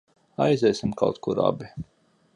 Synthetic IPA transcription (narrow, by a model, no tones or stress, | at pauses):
ajzʲɛjsimka̰wt̪kuɾa̰bʲi